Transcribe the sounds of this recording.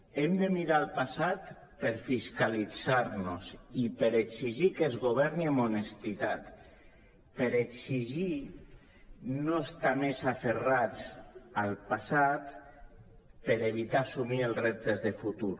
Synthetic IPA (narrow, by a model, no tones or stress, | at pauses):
emd̪emiɾalˠpasat̪ | peɾfiskalid͡zaɾnosipeɾeksiʒikezɣoβ̞ɛɾniəmonest̪it̪at̪ | peɾeksiʒi | noest̪amezaferat͡salˠpasat̪ | pəɾeβ̞it̪asumielˠrep̚t̪ezðefut̪uɾ